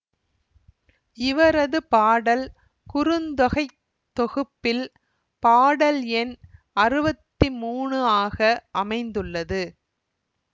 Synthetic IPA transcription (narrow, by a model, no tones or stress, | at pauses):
ʔɪʋɐɾɐðɯpaːɽɐl | kʊɾɯnd̪ɐɣɐɪ | t̪ːɔɣɯpːɪl | paːɽɐlɛn | ɐrɯbɐt̪ːimuːɳɯaːɣɐʔɐmɐɪnd̪ɯɭːɐðɯ